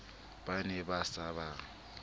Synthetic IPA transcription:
b̥anɛbasaba

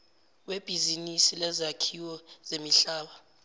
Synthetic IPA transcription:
web̥ʱizinisilɛzakʰiwɔz̥emiɬaːɓa

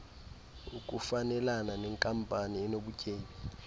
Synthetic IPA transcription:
ukʼufanɛlananɛŋkʼampʼaniɛnoɓucʼeːɲi

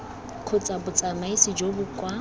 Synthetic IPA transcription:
kʰʊt͡sʼabʊt͡sʼamaisid͡ʒobʊkʼwa

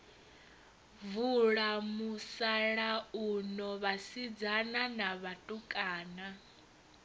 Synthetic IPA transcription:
vuɺamusaɺaunɔβasid͡zananaβatʼukʼaːna

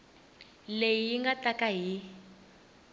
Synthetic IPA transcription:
lejijiŋɡatakaɦi

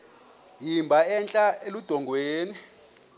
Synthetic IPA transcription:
jimbʱaɛnt͡ɬʼaelud̥ʱɔŋɡʱweːni

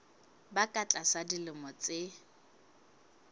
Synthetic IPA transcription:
bakʼat͡ɬʼasadilɪmɔt͡sʼɪ

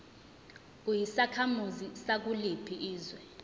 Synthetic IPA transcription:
kujisakʰamuzisak̬ulipʰiʔiːzwɛ

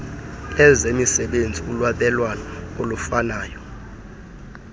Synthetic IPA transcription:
ɛzemisɛɓend͡zʱiulwaɓɛlwanɔolufanaːjɔ

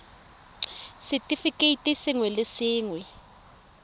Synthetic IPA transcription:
sitʼifikʼetʼisiŋwɛlɪsiːŋwɛ

